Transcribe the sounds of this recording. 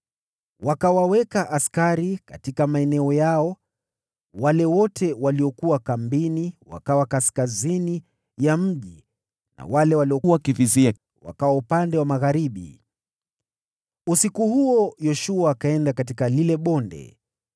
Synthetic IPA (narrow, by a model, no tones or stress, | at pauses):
wakawawɛkaʔaskaɾika̰tikamaɛnɛɔjaɔ | walɛwɔtʰɛwaliɔkuwakambiniwa̰kawakaskazini | jam̩ʄi | na̰walɛwaliɔakivizia | wa̰kawaupandɛwamaɣaɾiɓḭ | usikuhuɔjɔʃuakaɛndakatikalilɛɓɔndɛ̰